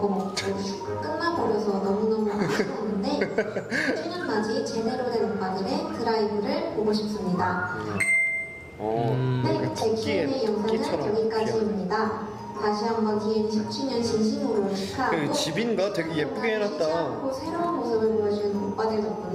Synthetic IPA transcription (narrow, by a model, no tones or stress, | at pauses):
ɡokɯ | k͈ɯnmapoɾjʌsʰʌnʌmunʌmaɕʰanːɯnde̞ | t͡ɕʰeɲʌnmad͡ʑit͡ɕedeɾodenambadɯɾetɯɾaibɯɾɯɭpoɡoɕʰip̚s͈ɯmɲida | net͡ɕekʰnejʌŋsʰanɯneɡik͈ad͡ʑiemɲida | taɕʰiɦambakieniɕʰip̚t͡ɕʰiɲʌnt͡ɕinɕʰinoɾoɕʰi̥kʰaaɡot͡ɕibinɡateɡejepp͈uɡeɦenat̚t͈aɯkosʰeɾoanmosʰɯbɯɭpoʌd͡ʑinɯnkok̚p͈adwed͡ʑʌt̚k͈od